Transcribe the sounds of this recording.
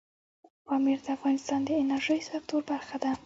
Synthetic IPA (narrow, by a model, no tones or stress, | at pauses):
pɑmiɾd̪əafɣɑnɪst̪ɑnd̪əɪnaɾʒəjsak̚t̪oɾbaɾxad̪a